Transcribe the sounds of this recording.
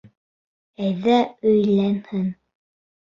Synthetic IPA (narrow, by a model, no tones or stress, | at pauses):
æjðæɵ̆jlænhɘŋ